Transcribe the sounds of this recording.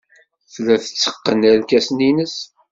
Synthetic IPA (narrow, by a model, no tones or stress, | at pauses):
flæθə̥t͡sːə̥qːənæɾkæsninəs